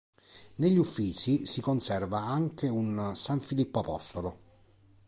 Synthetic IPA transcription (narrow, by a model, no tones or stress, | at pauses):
neʎːufːiːt͡ʃisikonsɛrvaaŋkeunsaɱfilipːoapɔ̰st̪olo